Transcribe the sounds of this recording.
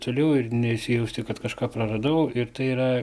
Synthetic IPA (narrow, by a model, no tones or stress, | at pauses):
t̪oːlʲɛʊɪrnʲɛɪʃʲsʲɪjɛʊsʲt̪ʲɪkɐt̪kɐʃkɑːprɐrɐd̪ɐʊɪrt̪ɐɪiːɾɐ